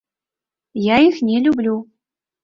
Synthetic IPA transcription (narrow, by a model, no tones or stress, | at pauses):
jaixnʲelʲublʲu